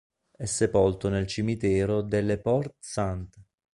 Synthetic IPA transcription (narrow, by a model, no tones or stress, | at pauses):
ɛsːepɔlt̪onelt͡ʃimit̪ɛːɾod̪elːepɔrt̪sant̪